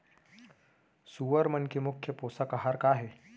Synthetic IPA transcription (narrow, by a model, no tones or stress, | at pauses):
suʋəɾmənkimukʰjəposəkaɦaɾkaɦe